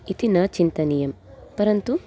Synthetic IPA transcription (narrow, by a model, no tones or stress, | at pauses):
it̪inɐt͡ʃint̪ɐnijɐm | pɐɾɐnt̪u